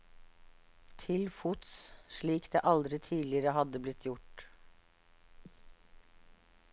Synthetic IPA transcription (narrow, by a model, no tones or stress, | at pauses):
t̪ʰɪlfut̪sʃɭiːkd̪ḛːʔɑld̪ɾɪt̪ʰiːlɪəɾəhɑd̪əblɪt̪ʰjʊʈ